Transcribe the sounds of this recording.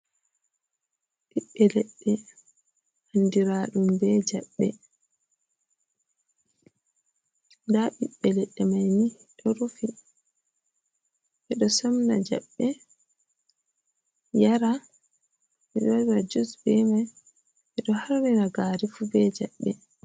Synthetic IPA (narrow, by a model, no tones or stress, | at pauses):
ɓiɓːɛlɛɗːɛ | handiɾaːɗumbɛd͡ʒaɓːɛ | ndaɓiɓːɛlɛɗːɛmajni | ɗɔɾufi | ʔɛɗɔsɔmnad͡ʒa̰ɓːɛ | jaɾa | ʔɛɗɔɾad͡ʒusbɛmaj | ʔɛɗɔhaɾːinaɡaːɾifubɛd͡ʒa̰ɓːɛ